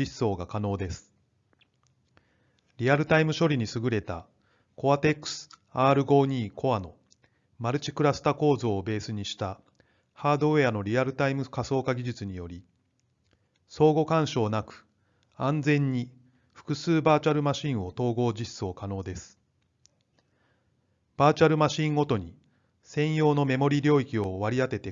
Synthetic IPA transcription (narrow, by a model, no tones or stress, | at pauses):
iso̞ːɡakano̞ːd̪e̞sɨ̥ | ɾʲiaɾɯ̟t̪aimɯ̟ɕo̞ɾʲiɲ̟isɨɡɯ̟ɾe̞t̪a̰ | ko̞at̪e̞kːɯ̥sɨ̥aːɾɯ̟ɡo̞ːɲ̟iːkʰo̞ano̞ | maɾɯ̟t͡ɕi̥kɯ̟ɾasɨ̥t̪ako̞ːzo̞ːbe̞ːsɨɲ̟iɕi̥t̪a | haːd̪o̞eano̞ɾʲiaɾɯ̟t̪aimɯ̟kaso̞ːkaɡʲiʑɨt͡sɨɲ̟ijo̞ɾʲi | so̞ːɡo̞kãɰ̃ɕo̞ːnakɯ̟̥ | ãnd͡zẽ̞ɲ̟ːi | ɸɯ̥kɯ̟sɨːbaːt͡ɕaɾɯ̟maɕĩɰ̃o̞t̪o̞ːɡo̞ːd͡ʑiɕt͡sɨo̞kano̞ːd̪e̞sɨ̥ | b̥aːt͡ɕaɾɯ̟maɕĩŋɡo̞t̪o̞ɲ̟i | sẽ̞ɰ̃jo̞ːno̞me̞mo̞ɾʲiɾʲo̞ːikʲio̞βaɾʲiat̪e̞t̪e